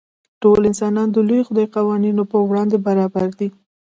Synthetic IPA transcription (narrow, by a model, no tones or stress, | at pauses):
ʈolɪnsɑnɑnd̪əlujoxʊd̪ɑjqɑwɑninopəwɽɑnd̪ebaɾɑbaɾd̪i